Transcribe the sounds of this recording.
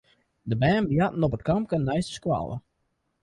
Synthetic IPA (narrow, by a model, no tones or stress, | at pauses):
dəbɛːnbjatn̩ɔpətkamkənnɛjstə̥skwa̰lˠə̰